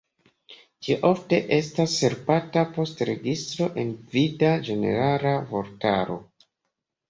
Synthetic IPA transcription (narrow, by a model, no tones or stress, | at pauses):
d͡ʒioʔo̞fte̞ʔe̞s̬tasːe̞ɾpatapo̞stɾe̞ɡistɾo̞ʔe̞nvidad͡ʒe̞ne̞̰ɾalavo̞ɾtaɾo̞̰